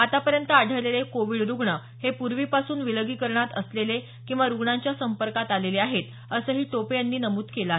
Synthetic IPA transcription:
at̪apəɾjənt̪əaɖʱəʋlelekoʋiːɽɾuɡɳə | hepuɾʋipasuːnʋiləɡiːkəɾɳat̪əslele | kĩw̃ʋaɾuɡɳaɲt͡ɕjasəmpəɾkat̪aleleaɦet̪ | əsəːɦiːʈopejanːiːnəmuːt̪kela

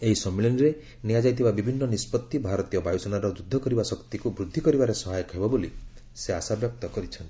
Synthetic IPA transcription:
eɦisɔmilinɾe | niad͡ʒajt̪ʰibabibʱinːɔnispɔt̪ːibʱaɾɔt̪ijɔbajusɔnaɾɔd͡ʒud̪ʱːɔkɔɾibasɔkt̪ikubɾud̪ʱːikɔɾibaɾesɔɦajɔkɔɦebɔboli | seasabjɔk̚t̪ɔkɔɾit͡ʃʰɔnt̪i

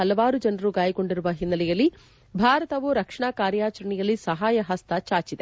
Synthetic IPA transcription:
ɐlɐʋaːɾud͡ʒɐnɐɾuɡaːjiko̞ɳɖiɾuʋɐɦind̪ɐlɛjɐlːi | bʱaːɾɐt̪ɐʋuɾɐkʂɐɳakaːɾjaːt͡ʃɐɾɐɳijɐlːisɐɦaːjɐɦɐst̪ʰɐt͡ʃaːt͡ʃid̪e

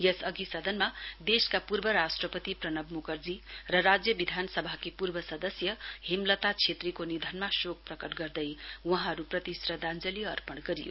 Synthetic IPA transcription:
jʌsʌɡisʌd̪ʱʌnmad̪eskapurbʌɾasʈrʌpʌt̪iprʌnʌbmukʌrd͡zirʌrad͡zjʌbid̪ʱanʌsʌbʱakepurbʌsʌd̪ʌsjʌhimlʌt̪at͡sʰet̪rikonid̪ʱʌnmasok̚prʌkʌʈɡʌrd̪ʌjwʌɦãɦʌɾuprʌt̪isrʌd̪and͡zʌliʌrpʌɽɡʌɾijo̰

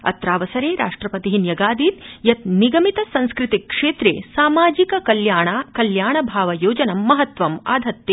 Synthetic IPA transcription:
ɐ̰t̪ɾaːʋɐsɐɾeːɾa̰ːʂʈɾɐpɐt̪iɦinjɐɡaːd̪iːt̪jɐt̪niɡɐmit̪ɐsɐ̃nskɾit̪ikʂeːt̪ɾḛːsaːmaːd͡ʒikɐkɐljaːɳɐkɐljaːɳɐbʱaːʋɐjoːd͡ʒɐnɐmːɐɦɐt̪ʋɐma̰ːd̪ʱɐt̪ːi

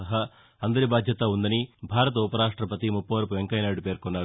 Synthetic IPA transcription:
ɐɦɐ | ɐnd̪ɐɾibaːd̪ʱjɐt̪ɐund̪ɐnibʱaːɾɐt̪ɐupɐɾaːʂʈɾɐpɐt̪imupːɐʋɐɾpuʋeŋkɐjnaːɽɖupeːɾkonːaːɾ

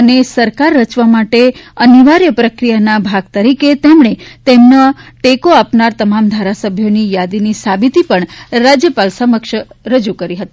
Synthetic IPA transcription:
ənesəɾkaɾːət͡ʃʋamaʈeəniʋaɾjəpɾəkɾijanabʱaɡ̚t̪əɾiket̪emɳet̪emnoʈekoapnaɾt̪əmamd̪ʱaɾasəbʱjonijad̪inisabit̪ipəɳɾad͡ʒjəpalsəməkʃɾəd͡ʒukəɾiɦət̪i̥

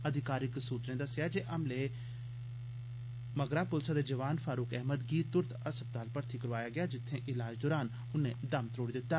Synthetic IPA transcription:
əd̪ʱɪkaːɾɪksuːt͡ʃ̪nẽːd̪əsːɪjaːd͡ʒeːʔəmleː | məɡɾaːpʊlsaːd̪eːd͡ʒəʋaːnfʰaːɾuːkɛɦməd̪ɡiːt̪ːʊɾt̪əsəb̚t̪aːlpəɾt̪ʰiːkəɾʋaːjaːɡɪjaːd͡ʒɪt̪ʰːẽːʔɪlaːd͡ʒd̪oːɾaːn | ʊnẽːd̪əmt̪ɾoːɽd̪ɪt̪ːaː

